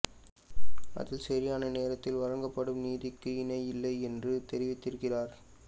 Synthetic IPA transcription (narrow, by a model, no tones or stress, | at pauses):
ʔɐ̰ðɪlsɐɾɪjaːnɐneːɾɐt̪ːɪlʋɐɾɐŋɡɐpːɐɽɯmniːðɪkːɯɪnɐɪlːɐɪɛndrɯt̪ɛɾɪʋɪt̪ːɪɾɯkːɪraːɾ